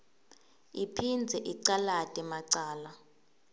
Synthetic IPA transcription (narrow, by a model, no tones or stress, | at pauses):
ipʰind͡zʱɛʔiǀalatʼɛmaǀaːla